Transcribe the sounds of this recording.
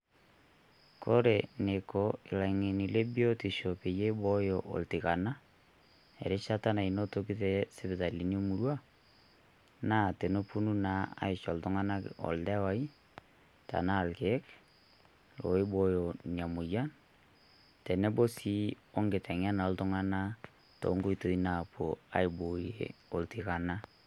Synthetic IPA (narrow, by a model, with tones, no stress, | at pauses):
kʰo˦ɾe˨ne˨ko˨ɪ˨la˨ŋe˨ni˨le˦bi˦o˦ti˨ʃo˨pe˨je˦bo˦jo˨ʔɔ̰˨ltɪ˨ka˨na˦ | ɛ̰˨ɾɪ˦t͡ʃa˦ta˦na˨i˨no˦to˦ki˦te˦sɪ˦bɪ˨ta˨li˨n˦o˦mu˨ɾwa˦ | na˦te˨no˦pu˦nu˦na˦a̰˨˦ɪ˨t͡ʃɔ˨ltʊ˦ŋa˦na˦kɔ̰˨ldɛ˦wa˦i˦ | ta̰˨na˦˨lke˨˦k | lo̰˨ɪ˦bo˦jo˨ni˨a˨mʊ˨ja˦n | tɛ˨nɛ˦bo˦si˦ | o˦ŋɡɪ˨tɛ˨ŋa˦na˨ɔ˦ltʊ˦ŋa˦na˦ | to̰˨˦ŋɡo˦i˨to˨i˦na˨pʰo˨a̰˨˦ɪ˨bo˨jḛ˨o˨ltɪ˨ka˨na˦